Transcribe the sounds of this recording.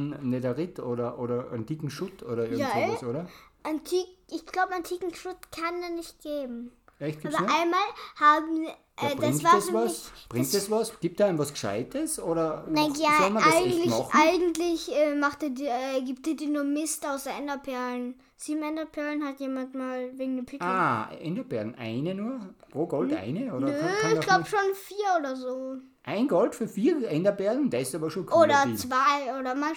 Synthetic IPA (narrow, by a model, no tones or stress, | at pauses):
nnedɐʁɪtʰoːɾɐʔoːɾɐʔa̰ntiːkŋ̩ʃʊtʰoːɾɐɪɐɡŋatsʔoːɾɐʔantʰiːkʔɪçɡ̥laʊbantʰiːkŋ̩ʃʊtkʰandanɪçt̚ɡ̥eːbm̩ɛçt̚ɡ̥aːbɐʔaɪnmaːlhaːbm̩ | ʔɛːdʁ̥aɪŋvaːɛasɪb̥ʁɪŋkstdɛsvasɡ̥iːp̚td̥aːaɪnvasɡʃa̰ɪtʰəsʔoːɾɐnnaaɔmɐnɡŋ̩lɪmɔçχʔaɪɡŋ̩tlɪçʔɛːmaχt̚d̥iːɐdiːɐɛːɡiːp̚t̚d̥iːɐdiːɐnuːɐmɪstaʊsɛndɐpʰɛɐlən | z̥iːbm̩ɛndɐpʰɛɐlənhatjeːmantmaːlveːɡŋ̩dɪpʰɪaːʔɛ̰ndɐbɛɐɡŋ̩ʔa̰ɪnənuːɐpʁoːɡɔla̰ɪnəoːnɾəɪçɡ̥laʊbəʃoːnfiːɐoːdɐzoː | ʔaɪnɡɔltfyːɐfiːɐʔɛndɐbɛɐɡŋ̩dɛɐɪstɑːbɐʃoːnkʰoːdɐt͡sv̥aɪoːdɐman